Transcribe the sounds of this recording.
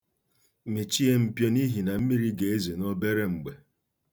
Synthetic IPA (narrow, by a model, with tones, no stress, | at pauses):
mi˨t͡ʃi˦e˦m̩˨pjɔ˦ni˦ɦi˨na˨m̩˦mi˦ɾi˦ɡe˨e˦ze˨nɔ˦be˦ɾe˦ŋ͡m̩˨ɡ͡be˨